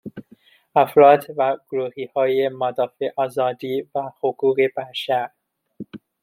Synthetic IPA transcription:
æfɾɒːd̪væɡ̥oɾuːhiːhɒːjemad̪ɒːfeʔɒːzɒːd̪iːvæhoɡuːɣebæʃæɾ

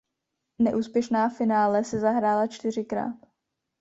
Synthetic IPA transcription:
nɛʔuːspjɛʃnaːfɪnaːlɛsɛzaɦɾaːlat͡ʃt̪ɪr̝ɪkɾa̰ːt̪

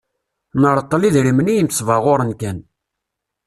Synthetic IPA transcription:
nəɾˤəq̪ːəliðɾimənijəmsˤvəʁʊɾənkæn

